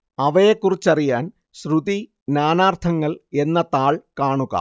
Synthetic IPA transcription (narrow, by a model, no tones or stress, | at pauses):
ɐʋɐjekːurit͡ɕːɐrijaːn | ɕruði | naːnaːrt̪ʰɐŋːɐɭe̞nːɐt̪ːaːɭkaːɳuɣɐ̰